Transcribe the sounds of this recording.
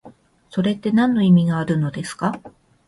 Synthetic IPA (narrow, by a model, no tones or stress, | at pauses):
so̞ɾe̞t̪ːe̞nãnːo̞imʲiɡaːɾɯ̟no̞d̪e̞sɨ̥ka